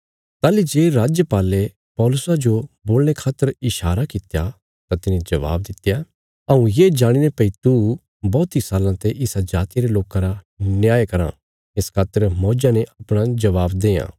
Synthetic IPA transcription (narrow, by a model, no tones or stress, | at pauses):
t̪aːlid͡ʒeːɾaːd͡ʒjəpaːle | pɔːlʊsad͡ʒoboːlɽ̃ekʰaːt̪ːəɾɪʃaːɾakɪt̪ja | t̪at̪ɪnẽd͡ʒɐʋa̰ːb̚d̪ɪt̪ja | ɐũjeːd͡ʒaːɽ̃ɪnepɐit̪u | bɔːt̪isaːlãt̪eʔɪsad͡ʒaːt̪ijaɾeloːkãɾa | njaːjkɐɾã̰ | ɪskʰaːt̪ːəɾmɔːd͡ʒaneʔɐpɽ̃ad͡ʒɐʋaːbd̪eːã̰ː